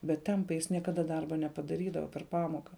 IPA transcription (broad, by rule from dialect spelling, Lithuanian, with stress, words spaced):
bʲɛt ˈtʲɛmpɐɪ ˈjɪs nʲiɛkɐˈdɐ ˈdɐrbɐ nʲɛpɐdɐˈrʲiːdɐʋɐ pʲɛr ˈpɑːmoːkɐ